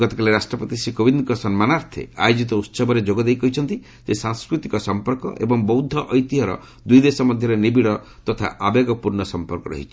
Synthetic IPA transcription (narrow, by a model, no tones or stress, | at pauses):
ɡɔt̪ɔ̥kaleɾasʈɾɔpɔt̪isikobind̪kɔsɔnmanaɾt̪ʰḛa̰jod͡ʒit̪ɔut̪sɔbɔɾed͡ʒoɡɔd̪ejkɔɦit͡ʃʰɔnt̪i | sesaŋskɾut̪ikɔsɔmpɔɾkɔ̰ʔḛbɔŋbɔwd̪ʱːɔʔɔjt̪iɦɔɾɔ̰ | d̪ujd̪esɔmɔd̪ʱjɔɾenibiɽɔ | t̪ɔt̪ʰa̰ʔabeɡɔpuɾɳɔsɔmpɔɾkɔɾɔ̰ɦit͡ʃʰi̥